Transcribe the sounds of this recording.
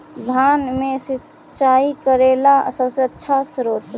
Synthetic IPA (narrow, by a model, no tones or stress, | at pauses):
d̪ʱaːnmẽsɪ | t͡ʃaːikəɾeːlasəbseətːʃʰasɾoːt̪